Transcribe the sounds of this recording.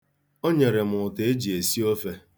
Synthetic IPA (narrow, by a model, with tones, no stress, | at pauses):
o˦ɲe˨ɾe˨mʊ˨ʊ˨te˦d͡ʒi˨e˨si˦o˦fe˦